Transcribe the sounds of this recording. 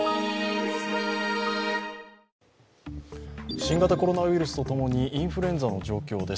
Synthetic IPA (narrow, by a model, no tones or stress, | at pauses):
ɕĩŋɡat̪ako̞ɾo̞naβɯ̟iɾɯ̟sɨ̥t̪o̞t̪o̞mo̞ɲ̟iʔĩɰ̃ɸɯɾẽ̞nd͡zano̞d͡ʑo̞ːkʲo̞ːd̪e̞s